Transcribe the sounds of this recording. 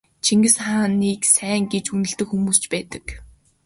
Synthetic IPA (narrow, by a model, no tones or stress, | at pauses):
t͡ɕʰiŋɡɘ̆sχaːniːksæːŋɡet͡ɕunɵ̆ɬt̪ɘ̆kxumuːst͡ɕpæːt̪ə̥̆k